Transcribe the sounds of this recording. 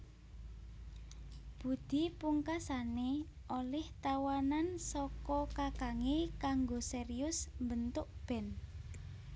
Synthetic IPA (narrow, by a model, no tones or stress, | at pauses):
b̥ṳd̪̥i̤puŋkasane | ʔolɛht̪awanansɔkɔkakaŋekaŋɡoseriʊsmbənt̪ʊʔb̥ɛ̤n